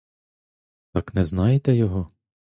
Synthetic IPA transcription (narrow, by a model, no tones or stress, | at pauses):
t̪ɑknɛznɑjet̪ɛjɔɦɔ